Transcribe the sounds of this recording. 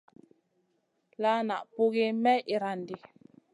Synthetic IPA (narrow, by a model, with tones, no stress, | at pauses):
la˦na˨ʔpu˦ɣi˦mɛ˦ʔi˨ɾa˨ndi˨